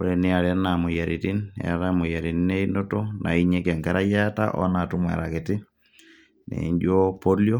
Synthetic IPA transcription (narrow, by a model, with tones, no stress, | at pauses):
oɾeni˦a˨ɾɛ˦na˨mo˨ja˨ɾiti˦nɛ̰ɾamo˨ja˨ɾi˨nine˦i˦ndo˦tonʔa̰˨iɲɛ˦kɛ˨ŋkɛɾa˦ja˦ta̰ʔɔ̰˦na˨tu˦mwa̰˨ɾa˨keti˦ | nḛ˨ɲd͡ʒo˦po˦ljo˦